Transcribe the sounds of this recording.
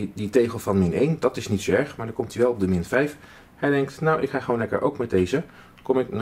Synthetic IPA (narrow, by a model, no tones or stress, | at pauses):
ditejχəlˠvɑnmɪnejndɑtɪsnitsoɛɹχmaːɹdɑɹkɔmtyʋɛlˠɔb̚dəmɪnv̥ɛjf | hɛjdɛŋk̚tnawʔɪkχaːχəʋownlɛkə̰ɹʔo̰wkmɛt̚dejzə | kɔmɪk̚n